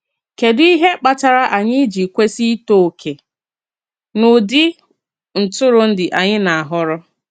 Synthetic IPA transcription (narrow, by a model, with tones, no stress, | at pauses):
ke˨dʊ˦i˦ɦe˦k͡pa˨ta˨ɾa˦ʔa˨ɲɪ˦d͡ʒi˨kʷe˦si˦to˨kʰe˨ | nʊ˨dɪ˦ | n̩˨tʊ˦ɾʊ˨n̩˦dɪ˨ʔa˨ɲɪ˦na˨a˨ɦʊ˦ɾʊ˦